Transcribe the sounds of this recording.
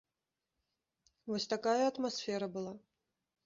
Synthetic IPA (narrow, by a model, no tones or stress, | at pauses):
vɔsʲt̪akajɐɐt̪masʲfʲɛɾɐbɨlˠa